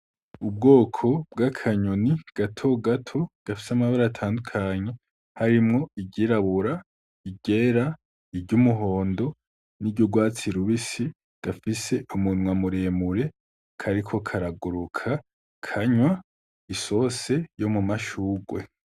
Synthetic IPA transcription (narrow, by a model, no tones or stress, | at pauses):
ub̚ɡo̞ːkʰo̞bɡakʰaɲoniɡ̥atʰo̞ɡatʰo̞ɡ̥afi̥samaβaɾatʰaːndukʰaɲe̞ | haɾimŋo̞iɟiɾaβuɾa | iɟe̞ɾa | iɾɟumuɦo̞ːndo̞ | niɟuɡwaːt͡siɾuβisi | ɡ̥afise̞ʔumunŋwamuɾe̞muɾe̞ | kʰaɾikʰo̞kʰaɾaɡuɾukʰa | kʰaɲwa | iso̞se̞jo̞mumaʃuːɡwe̞